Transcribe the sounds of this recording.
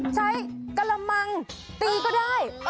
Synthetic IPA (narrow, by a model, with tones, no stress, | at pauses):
t͡ɕʰa˦˥jka˧la˧ma˧ŋ | t̪iː˧kɔː˥˩daː˥˩j